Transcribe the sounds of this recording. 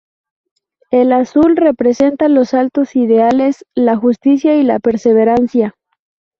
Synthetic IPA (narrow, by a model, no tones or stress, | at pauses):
elasulre̞pɾe̞se̞nt̪alo̞salt̪o̞siðe̞ale̞slaxust̪isjaila̰pe̞ɾse̞βe̞ɾansja